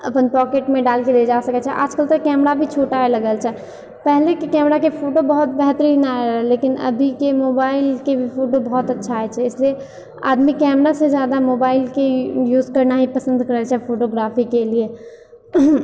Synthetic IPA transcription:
ɐpənpɔːkeːʈmẽɖaːlked̪ed͡ʒaːsɐkɛt͡ʃʰɛʔa̰ːd͡ʒkəlt̪ekɛːmɾabʱit͡ʃʰoːʈaɦelɐɡəlt͡ʃʰɛ | pɛɦlekekɛːmɾakefʰoːʈobɐɦʊt̪̚bɛɦt̪əɾiːnaɛɾɛleːkɪnɐ̰bʱikemoːbaːɪlkebʱifʰoːʈobɐɦɔt̪ɐtːʃʰaɦɛt͡ʃʰɛɪslie | a̰ːd̪mikɛːmɾased͡ʒjaːd̪amoːbaːɪlkejuːzkɐɾnaɦipɐsə̃nd̪kəɾəɛt͡ʃʰɛfoːʈoɡɾaːfikelie

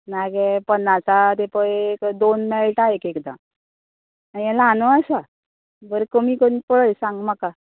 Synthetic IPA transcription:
naɡɛpənːasat̪epəjekd̪onmɛɭʈaekekd̪a̰ | aɛ̃lanəasa | bəɾekomikonipəɭəjsãŋɡmaka

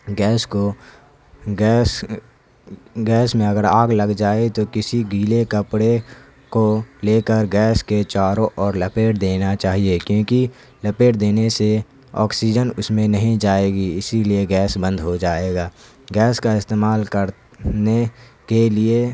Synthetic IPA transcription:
ɡɛːsko | ɡɛs | ɡɛːsmẽɐɡəɾaːɡləɡd͡ʒaːet̪okɪsiɡiːlekəpɽe | koleːkəɾɡɛːsket͡ʃaːɾõʔɔːɾləpeːʈ̚d̪eːnat͡ʃaːɦiekjõːki | ləpeːʈd̪eːnese | ɔ̰ːksiːd͡ʒənʊsmẽnəɦĩd͡ʒaːeːɡiɪsilieɡɛːsbə̃nd̪ʱɦod͡ʒaːeːɡaː | ɡɛːskaɪst̪eːmaːlkəɾ | nekelie

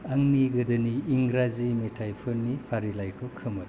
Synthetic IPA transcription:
aŋniɡɯdɯniːŋɡɾazimetʰajpʰɯɾnipʰaɾilajkʰɯkʰɯmɯ

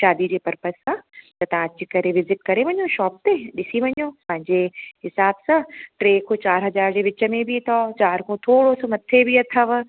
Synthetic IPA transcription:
ʃaːd̪id͡ʑeːpɐɾpəsãt̪ɐt̪ɐãɐt͡ɕikɐɾeʋɪzɪʈ̚kɐɾeʋɐ̃ɲjoʃɔːp̚t̪eɗɪsiʋɐɲjoːpɐ̃ɦɪ̃ɲd͡ʑeɦɪsaːbsãʈɾeːkʰot͡ɕaːɾɦɐzaːɾd͡ʑeːʋɪt͡ɕəmẽbʱit̪ʰɔt͡ɕaːɾkʰõt̪ʰoːɽosmɐt̪ʰebʱiɐt̪ʰəʋ

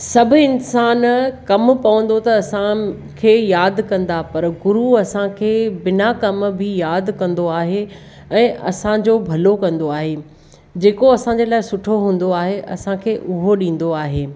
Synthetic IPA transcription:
sɐbʱʊ̆ɪnsaːnkɐmpɐʋə̃n̆d̪ot̪ɐɐsã | kʰeːjaːd̪kɐ̃nd̪apɐɾɡʊɾuɐsãkʰeːbɪnakɐmbʱɪjaːd̪kɐ̃nd̪oaːɦe | ɛ̃ːʔɐ̰sãd͡ʑoːbʱɐlokɐ̃nd̪oaːɦeː | d͡ʑeːkoɐsãɲd͡ʑeːlaːɪsʊʈʰoɦũːn̆d̪oaːɦeʔɐsãkʰeːʔʊɦoɗĩːn̆d̪oaːɦeː

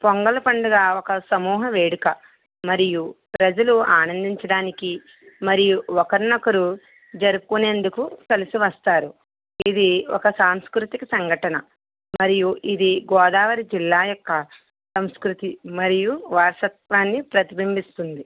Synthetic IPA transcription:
poŋɡɐlɐpɐɳɖɐɡaːɔkɐsɐmuːɦɐʋeːɽukɐ | mɐɾijupɾɐd͡ʒɐluaːnɐnd̪iɲt͡ʃɐɽaːniki | mɐɾijuɔkɐɾinɐkɐɾu | d͡ʒɐɾukune̞ːnd̪ukukɐlɐsiʋɐst̪aːɾu | id̪iɔkɐsaːmskɾut̪ikisɐŋɡʱɐʈɐnɐ | mɐɾijuʔid̪iɡɔːd̪aːʋɐɾid͡ʒilːaːjɔkːɐ | sɐmskɾut̪imɐɾijuʋaːɾʂɐt̪̚ʋaːnːipɾɐt̪ibimbist̪und̪i

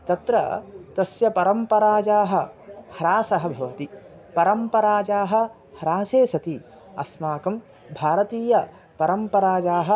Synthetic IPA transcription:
t̪ɐt̪ɾɐ̰t̪ɐsjɐpɐɾɐmpɐɾaːd͡ʒaːɦɐ̆hɐɾaːsɐɦɐbʱɐʋɐt̪i | pɐɾɐmpɐɾaːd͡ʒaːɦɐ̆ | hɐɾaːseːsɐt̪i | ɐ̰smaːkɐm | bʱaːɾɐt̪iːjɐ | pɐɾɐmpɐɾaːd͡ʒaːɦɐ̆

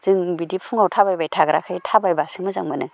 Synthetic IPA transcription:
z̥ɯŋbidipʰuŋawtʰabajbajtʰaɡɾa̰kʰajtʰabajbasɯmɯza̰ŋmɯnɯ

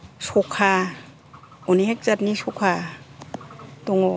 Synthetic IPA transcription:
sɔkʰa | ɔniɦek̚zatnisɔkʰa | dɔŋɔ

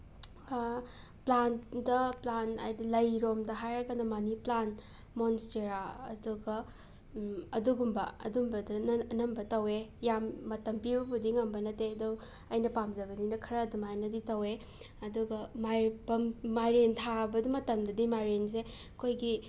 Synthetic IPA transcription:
plandɐplana̰jdilɐjɾomdɐɦajɾɐkanɐmɐniplan | monsteɾaɐ̰duɡɐ | ɐduɡumbɐɐ̰dumbɐdɐnɐmbɐtɐwejamːɐtɐmpibɐpʰudiŋɐmbɐnɐtedow | ɐjnɐpamzɐβɐniŋnɐkʰɐɾɐːdumajnɐditɐwe | ɐduɡɐmabɐmajɾentʰabɐdimɐtɐmdɐdimajɾens̬e | kʰojɡi

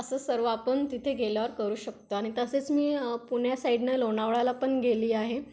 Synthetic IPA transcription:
əsəːsəɾʋapəɳt̪it̪ʰeɡeljaʋəɾkəɾuːɕək̚t̪oaɽ̃it̪əset͡smiːpuɳ̤jasaiɖnelonaʋɭalapəɳɡeliːaɦe

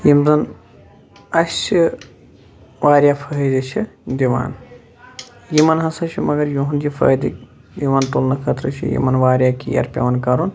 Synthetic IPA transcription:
jimzɐn | ɐsi | ʋaːɾʲjapʰɐɦizɐt͡ʃʰid̪iʋa̰ːn | jimɐnɦɐsɐt͡ʃʰimɐɡɐɾjoɦund͡ʒifʰɐ̰ːd̪ḭk̚ | d̪iʋaːnt̪olnɐkʰɐt̪ɾɐt͡ʃʰḭjḭmɐnʋaːɾjaːkḭjɐ̰ɾpʲɐ̰ʋɐnkɐɾun

